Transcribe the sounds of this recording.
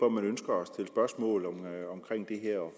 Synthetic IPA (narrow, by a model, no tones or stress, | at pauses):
ɒmænønsɡ̥ɐɒ̽st͡sʰe̝lsb̥ɶɐsmɔ̰ːlɒmɒ̽mkʰʁeŋ̰d̥e̝ɦeɐ̰ɒ